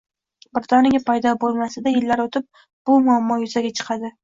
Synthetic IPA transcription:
bɪɾd̪ɒnɪɡʲapʰajd̪ɒbolˠmasɪd̪ajɪlːaɾot̪ʰɪp̚ | b̥ʊmʊamːɒjʊzaɡʲat͡ʃʰɨ̥qʰɑd̪ɪ

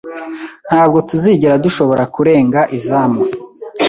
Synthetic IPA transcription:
n̥haːb̚ɡo̞tuziɟiɾaduʃo̞βo̞ɾakuɾe̞ːŋɡaʔizaːma

